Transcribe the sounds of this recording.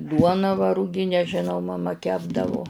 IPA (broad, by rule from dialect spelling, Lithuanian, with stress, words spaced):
ˈduɔnɑː ʋɐ rʊˈɡʲɪnʲæː ʒʲɪˈnɐʊ mɐˈmɐ ˈkʲæːbdɐʋʊ